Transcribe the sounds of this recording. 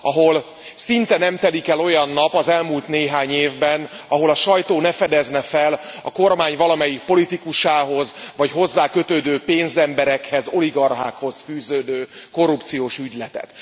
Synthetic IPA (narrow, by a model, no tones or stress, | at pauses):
ɒɦo̞l | sint̪ɛnɛmt̪ɛlikɛlo̞jɒnːɒpɒzɛlmult̪neːɦaːɲeːvbɛn | ɒɦo̞lɒʃɒjt̪oːnɛfɛd̪ɛznɛfɛlɒ̰ko̞rmaːɲvɒlɒmɛjik̚po̞lit̪ikuʃaːɦo̞zvɒcɦo̞zːaːkø̞t̪øːd̪øːpeːnzɛmbɛɾɛkhɛzo̞liɡɒrɦa̰ːkho̞zfyːzøːd̪øːko̞rːupt̪sijoːʃyɟlɛt̪ɛ̰t̪